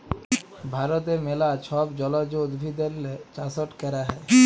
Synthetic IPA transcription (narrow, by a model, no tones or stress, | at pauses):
bʱaɾot̪emelaʃʰɔbd͡ʑɔlad͡ʑod̪bʱid̪ellet͡ɕasoʈkɛɾaɦɛe